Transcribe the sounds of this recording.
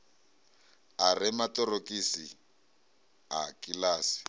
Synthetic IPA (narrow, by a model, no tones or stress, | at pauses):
arɪmatɔrokʼisi | akilaːsi̥